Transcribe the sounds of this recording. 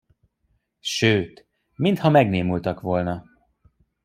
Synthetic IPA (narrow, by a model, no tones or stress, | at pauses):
ʃøːt̪ | mint̪hɒmɛɡneːmult̪ɒkʋo̞lnɒ